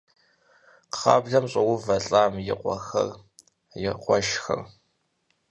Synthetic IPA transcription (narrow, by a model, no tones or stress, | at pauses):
qχɑ̰ːbɮɐmɕʼɐwʊvɐɬʼaːmjɪqʷɔxɐ̰r | jɪqʷɔʃxɐ̰r